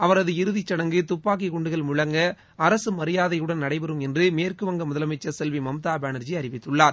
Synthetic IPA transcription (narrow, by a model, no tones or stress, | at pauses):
ɐʋɐɾɐðɯɪɾɯðɪt͡ʃːɐɽɐŋɡɯt̪ʊpːaːk̬ikʊɳɖɯɣɐɭmʊɻɐŋɡɐ | ɐɾɐsɯmɐɾɪjaːðɐjɯɽɐnnɐɽɐɪbɐɾɯmɛndrɯmeːrkɯʋɐŋɡɐmʊðɐlɐmɪt͡ʃːɐsɛlʋimɐmt̪aːbaːnɐɾd͡ʒiɐɾɪʋɪt̪ːɯɭːaːɾ